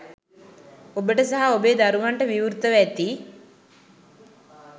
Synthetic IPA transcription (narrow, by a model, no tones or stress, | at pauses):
obəʈəsaɦaobeːd̪aɾuʋaɳʈəʋiʋuɾt̪əʋæt̪iː